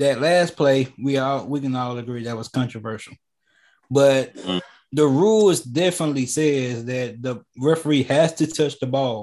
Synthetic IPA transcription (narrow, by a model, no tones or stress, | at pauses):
ðɨtˡlæspʰl̥eɪwiɔlˠwikɨ̃nɔlˠɨɡɹiðɨt̚wʌz̥kʰɑ̃nt͡ʃɹ̥əvɜ˞ʃl̩ˠ | b̥ʌt̚ | ðəɹulˠzdɛfənətˡlisɛzðɨt̪̚ðəɹɪfə˞ihɨz̥tʰɨtʰʌt͡ʃðəbɔlˠ